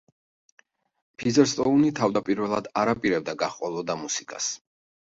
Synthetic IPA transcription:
pʰizɛɾst̪ʼɔunit̪ʰavd̪apʼiɾvɛlˠad̪aɾapʼiɾɛb̚d̪aɡaχqʼɔlˠɔd̪amusikʼa̰s

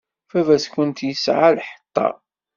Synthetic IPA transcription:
fævæskʊnt̪jəsʕalħə̥t̪ˤːɑ̰

